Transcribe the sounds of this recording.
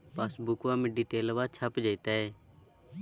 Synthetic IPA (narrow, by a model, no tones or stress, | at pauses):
pasbʊkʋaːmẽɖiːʈeːlʋaːt͡ʃʰəpd͡ʒaːit̪aːeː